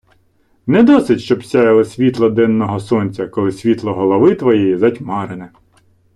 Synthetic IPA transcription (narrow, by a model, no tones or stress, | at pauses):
nɛd̪ɔsɪtʲʃt͡ʃɔbsʲajɐlˠɐsʲʋʲit̪lˠɐd̪ɛnːɔɦɔsɔnʲt͡sʲɐkɔlˠɪsʲʋʲit̪lˠɔɦɔlˠɔʋɪt̪ʋɔjɛjizɐtʲmɑɾenɛ